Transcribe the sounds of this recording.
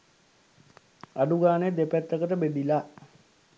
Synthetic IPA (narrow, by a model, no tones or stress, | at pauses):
aɖuɡaːnəjd̪epæt̪ːəkəʈəbed̪ila